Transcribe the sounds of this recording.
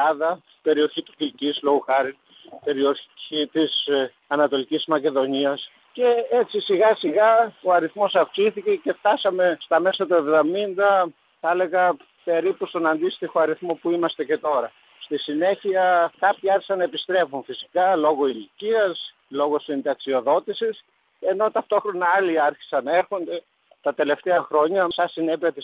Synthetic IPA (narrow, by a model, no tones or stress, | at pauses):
ɐðɐ | i̥b̥e̞ɾio̞çit̪u̥filcizlo̞ɣoxɐɾin | pe̞ɾioit̪is | ɐnɐt̪o̞licizmɐce̞ðo̞niɐs | ce̞et͡sisiɣɐsiɣɐo̞ɐɾiθmo̞sɐfksiθice̞ce̞ft̪ɐsɐme̞st̪ɐme̞sɐt̪oe̞vðomind̪ɐ | θɐle̞ɣɐ | pe̞ɾipust̪o̞nɐnd̪ist̪ixo̞ɐɾiθmopuimɐst̪ece̞t̪o̞ɾɐ | st̪isine̞çiɐkɐpçiɐɾçi̥sɐnɐepist̪ɾe̞funfisi̥kɐlo̞ɣo̞iliciɐs | lo̞ɣo̞sind̪ɐksio̞ðo̞t̪isis | e̞no̞t̪ɐft̪o̞xɾo̞nɐɐliɐɾçi̥sɐnɐeɾxo̞nd̪e̞ | t̪ɐt̪e̞le̞ft̪eɐxɾo̞ɲɐsɐsine̞piɐt̪i